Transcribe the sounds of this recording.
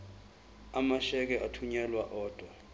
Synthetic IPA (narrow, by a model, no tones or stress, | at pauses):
amaʃɛk̬ɛatʰuɲɛlwaʔɔːd̥ʱwa